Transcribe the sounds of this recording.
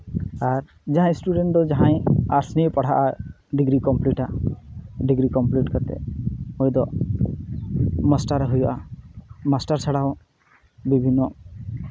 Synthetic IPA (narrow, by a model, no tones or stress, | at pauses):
aɾ | d͡ʒaɦãj̃sʈuɖeɳʈ̚d̪ɔd͡ʒaɦãj̃aɾsniepaɽ̤aʔa | ɖiɡɾikɔmpliʈa | ɖiɡɾikɔmpliʈkat̪ɛ̰mojd̪ɔ | masʈaɾɦujɔʔa | masʈaɾt͡ʃʰaɽaw | bibʱinːɔ